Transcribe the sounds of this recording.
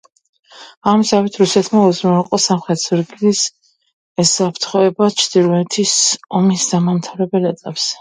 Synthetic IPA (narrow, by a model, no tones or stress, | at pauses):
amzawit̪ʰɾusɛt̪ʰmauzmɛqʼɔsamχɛt̪ʰzuɾɡilis | ɛsapʰɾt̪ʰχɔɛbat͡ʃʰd̪̥iɾvɛt̪ʰisɔmisd̪̥amamt̪ʰaɾɛbɛlɛt̪ʼapʼs